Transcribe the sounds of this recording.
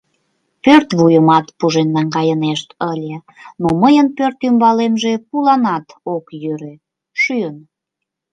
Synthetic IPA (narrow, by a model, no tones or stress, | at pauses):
pørt̪βujəmɑt̪puʒenːɑŋɡɑjəneʃt̪əlʲe | noməjənpørt̪ymbɑlemʒepulɑnɑt̪okjøɾe | ʃyən